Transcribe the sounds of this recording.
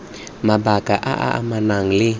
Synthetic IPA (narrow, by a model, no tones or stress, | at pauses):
mabaɡ̥aʔa̰ʔa̰ʔa̰manaŋlɪ